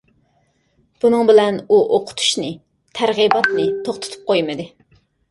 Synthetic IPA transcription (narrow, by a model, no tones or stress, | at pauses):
b̥unɨŋbɪlɛnuʔoqʰʊ̥t̪ʰu̥ʃnɨ | t̪ʰæɾʁibɑt̪nɨt̪ʰoχt̪ʰɨ̥t̪ʰu̥p̚qʰojmɨd̪ɨ